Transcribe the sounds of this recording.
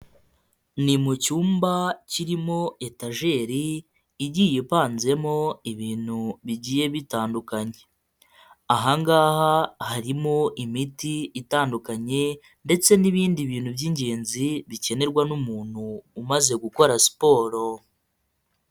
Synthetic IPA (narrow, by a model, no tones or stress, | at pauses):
nimucuːmbaciɾimo̞ʔe̞taʒe̞ɾiː | ɟiːjipaːnze̞mo̞iβiːn̤̥huβiɟiːje̞βitaːndukaɲe̞ | aɦaŋɡaːhahaɾimo̞ʔimitiːtaːndukaɲe̞ | nde̞t͡se̞niβiːndiβiːn̥hubɟiɲɟe̞ːnziβice̞ne̞ɾɡwanumuːn̥huːmaze̞ɡuko̞ɾasi̥po̞ːɾo̞